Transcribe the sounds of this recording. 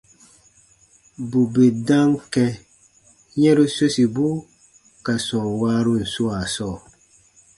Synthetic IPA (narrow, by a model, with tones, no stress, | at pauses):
bu˨be˨dã˦ŋkɛ˧ | ɲɛ̃˦ɾu˦so˦si˨bu˦ | ka˨sɔ̃˨ŋwaː˦ɾu˦n̩˨su˦a˨sɔː˦˨